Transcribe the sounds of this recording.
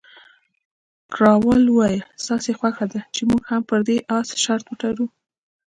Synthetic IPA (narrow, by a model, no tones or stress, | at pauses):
kɾɑwəlwɑjəst̪ɑsexwaxad̪at͡ʃemuɡhampəɾd̪eʔɑsʃaɾt̪wəʈaɾu